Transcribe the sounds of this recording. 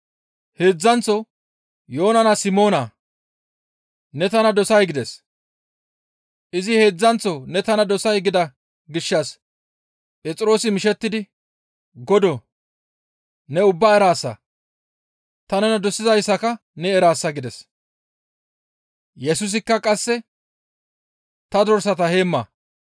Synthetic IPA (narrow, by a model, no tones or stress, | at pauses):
he̞ːd͡zːɐnt͡sːɔ | jo̞ːnɐnɐsɪmo̞ːnaː | nɛt̪ɐnɐd̪ɔsɐjɡɪd̪ɛs | ʔɪzɪhe̞ːd͡zːɐnt͡sːɔnɛt̪ɐnɐd̪ɔsɐjɡɪd̪ɐ | ɡɪʃːɐs | pʼɛt͡sʼɾo̞ːsɪmɪʃɛt̪ːɪd̪ɪ | ɡɔd̪o | nɛʊbːaːɛɾaːsːɐ̰ | t̪ɐnɛnɐd̪ɔsːɪzɐjsːɐkɐ | nɛɛɾaːsːɐɡɪd̪ɛs | jɛsʊs̬ɪkːɐkʼɐsːɛ | t̪ɐd̪ɔɾsɐt̪ɐhe̞ːmːɐ̰ː